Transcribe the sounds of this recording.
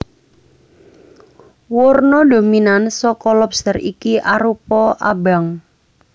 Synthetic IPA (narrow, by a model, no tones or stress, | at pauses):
wɔrnɔdo̤minansɔkɔlɔpst̪əɾikiʔaɾupɔʔa̰ba̤ŋ